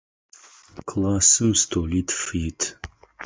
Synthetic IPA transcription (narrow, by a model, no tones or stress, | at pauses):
kʰlaːsɨmstʰoːlitʰfiːtʰ